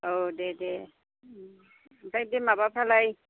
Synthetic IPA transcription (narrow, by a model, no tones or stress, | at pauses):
odɛdɛ | tajdemabapʰalaj